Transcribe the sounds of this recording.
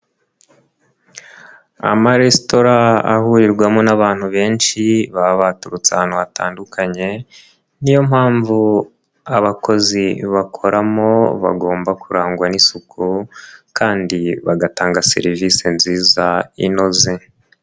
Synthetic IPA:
a̰maɾesto̞ɾa̰ːhuɾiɾɡwamonaβaːn̥huβe̞ːnʃiβaβatuɾut͡sanoβata̰ːndukʰaɲe̞ | nijo̞mhaːɱvu | aβakʰo̞ziβakʰo̞ɾʔamoβa̰ɡo̞ːmbakuɾaːŋɡwanisukʰukaːndiβaɡataːŋɡase̞̰ɾivise̞nziːzaḭno̞ze

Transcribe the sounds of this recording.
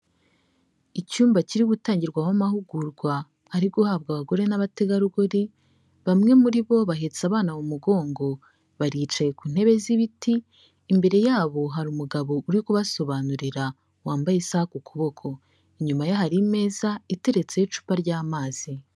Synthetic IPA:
icuːmbaciɾiɡutaːɲɟiɾɡwawamahuɡuɾɡwa | haɾiɡuhaːbɡaβaɡo̞ɾe̞naβate̞ɡaɾuɡoɾi | βamŋe̞muɾiβo̞βaɦe̞t͡saβaːnawumuɡo̞ːŋɡo̞ | βaɾiːt͡ʃaje̞kun̥he̞βe̞ziβitiː | mbe̞ɾe̞jaːβo̞ɦaɾumuɡaβo̞ʔuɾikuβaso̞βanuɾiɾa | waːmbajesakukʰuβo̞kʰo̞ | iɲumajoɦaɾime̞ːzaite̞ɾe̞t͡se̞jit͡ʃu̥paɾɟaːmaːz̥i

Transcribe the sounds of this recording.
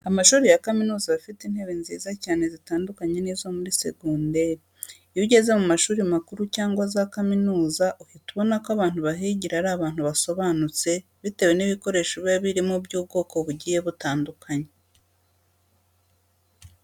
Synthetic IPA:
amaʃuːɾijakaminuːzaβafitin̥he̞βinzḭːzacaːne̞zitaːndukaɲe̞niːzo̞muɾise̞̰ɡunde̞ɾi | juɟe̞ze̞mumaʃuːɾimakuɾucaːŋɡwazakaminuːzaʔuhituβo̞nakoaβaːn̥huβaɦiːɟiɾaɾaβaːn̥huβaso̞βanut͡se̞ | βite̞we̞niβiko̞ɾe̞ʃoβeβiɾimobjuːbɡo̞ːko̞βuɟiːje̞βutaːndukʰaɲe

